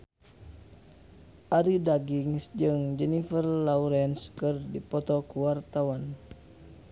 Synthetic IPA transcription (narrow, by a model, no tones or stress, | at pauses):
ʔaɾidaɡiŋsd͡ʒɨŋd͡ʒɛnifərlauɾɛnskərdipɔt̪ɔkuwart̪awan